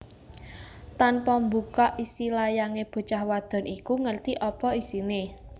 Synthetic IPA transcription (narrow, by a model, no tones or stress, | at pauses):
t̪anpɔmbukaʔisilajaŋeb̥ə̤t͡ʃahwad̪̥ɔ̤nʔikuŋərt̪iʔɔpɔisine